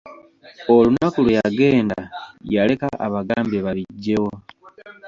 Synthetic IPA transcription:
olunakulwujaɡe̞ːndaajale̞kaʔaβaɡaːmbeβaβiɟːe̞wo̞

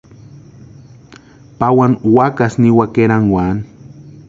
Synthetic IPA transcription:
pawanwakasniwakeɾanwan

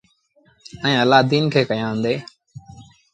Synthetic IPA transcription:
ə̃ĩːəlaːd̪iːnkʰeːkəjãːə̃nd̪eː

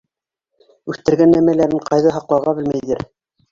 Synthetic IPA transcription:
ʉθt̪ɘ̆ɾɡænːæmælæɾɘɴqʰɑjðɑɦɑqlˠɑwʁɑbɘlmæjðɘ̰ɾ

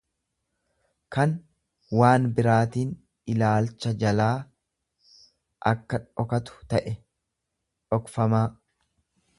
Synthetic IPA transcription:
kɐn | waːnbɪɾaːt̪iːn | ɪlaːlt͡ʃːɐd͡ʒɐlaː | ʔɐ̰kːɐᶑɔkɐt̪ʊ̥t̪ɐʔɛ | ᶑɔkfɐmaː

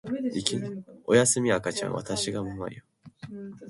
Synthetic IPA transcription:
ikʲiojasɨmʲiakat͡ɕã̰ɰ̃βa̰t̪aɕiɡamama̰io

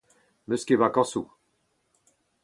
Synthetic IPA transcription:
møskʲevakɑ̃su

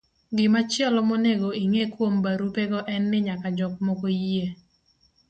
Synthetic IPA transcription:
ɡɪmat͡ʃɪɛlɔmɔneɡoiŋekwombaɾupeɡɔʔɛnːɪɲakad͡ʒɔk̚mɔkoje

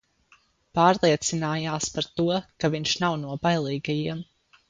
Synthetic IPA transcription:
paːɾlˠiɛt̪sinaːjaːspaɾt̪uɔkaviɲʃnawnuɔbajlˠiːɡajiɛm

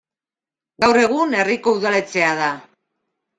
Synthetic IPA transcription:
ɡawre̞ɣ̞une̞riko̞uðale̞t͡se̞að̞a

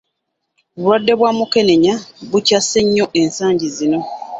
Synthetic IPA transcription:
oβulwadːe̞βwaːmuke̞ne̞ɲaβucase̞ɲːo̞ʔe̞nsaːɲɟizino̞

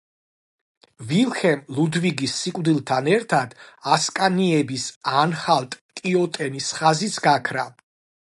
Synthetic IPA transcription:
vilˠχɛmlˠud̪viɡisːikʼvd̪ilˠt̪ʰanɛɾt̪ʰad̪̥askʼaniɛbisanχalˠt̪ʼt̪ʼiɔt̪ʼɛnisχazit̪sʰɡakʰɾa

